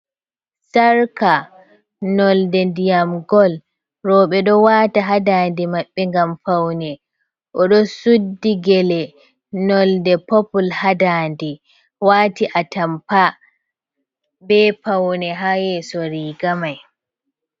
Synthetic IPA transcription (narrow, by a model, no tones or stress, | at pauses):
saɾka | nɔldɛndijamɡɔl | ɾɔɓɛɗɔwataɦadandimaɓːɛŋɡamfawnɛ | ʔɔɗɔsudːiɡɛlɛ | nɔldɛpɔpulhadaːndi | waːtiʔatampa | bɛpawnɛɦajɛsɔɾiːɡamaj